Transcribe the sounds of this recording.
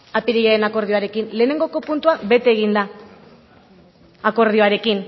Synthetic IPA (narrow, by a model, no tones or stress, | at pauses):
apiɾeɣaenako̞ɾð̞io̞aɾe̞kinle̞ːne̞ŋɡo̞ko̞punt̪uabe̞t̪eːɣ̞ind̪a | ako̞ɾð̞io̞aɾe̞kin